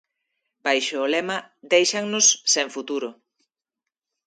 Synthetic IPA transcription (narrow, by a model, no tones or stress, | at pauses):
b̥ajʃoːlemɐd̪ejʃaŋnʊsːeɱfut̪uɾʊ